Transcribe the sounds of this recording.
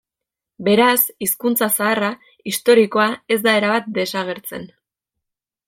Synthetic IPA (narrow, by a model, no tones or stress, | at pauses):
be̞ɾasiskunt͡sasaːra | ist̪o̞ɾiko̞ae̞zd̪ae̞ɾaβat̪̚d̪e̞saɣ̞e̞ɾt͡se̞̰n